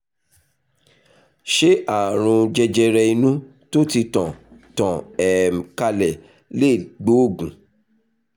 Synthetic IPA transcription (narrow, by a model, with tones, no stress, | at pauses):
ʃe˦ʔa˦˨ɾ̃ũ˧d͡ʒɛ˧d͡ʒɛ˧ɾɛ˧i˧nũ˦ | to˦ti˧tã˨tã˨ɛ˨ka˧lɛ˨ | le˦˨ɡ͡bo˨˦o˦˨ɡũ˨